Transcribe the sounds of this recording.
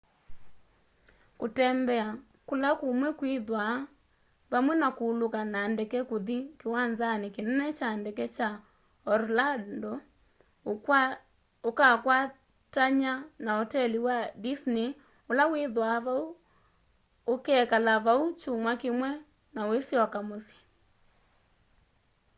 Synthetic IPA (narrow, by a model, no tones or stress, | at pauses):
kotɛmbɛa | kolakomwɛkwiðwa | βamwɛnakoːlokanandɛkɛkoðikewanzanekenɛnɛt͡ʃandɛkɛt͡ʃa | ɔɾlandɔ | okakwa | taɲanaɔtɛliwadisne | olaweðwaβau | okɛːkalaβaut͡ʃomwakemwɛ | nawesjɔkamosjḁ